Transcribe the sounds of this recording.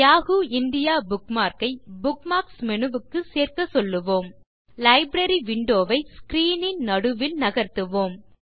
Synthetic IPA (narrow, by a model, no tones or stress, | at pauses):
jaːɣuːɪnd̪ɪjaːbʊkmaːɾkɐɪbʊkmaːksmɛɳɯʋɯkːɯseːrkɐsɔlːɯʋoːm | lɐɪbɾɐɾiʋɪɳɖoːʋɐɪskɾiːnɪnnɐɽɯʋɪlnɐɣɐɾt̪ɯʋoːm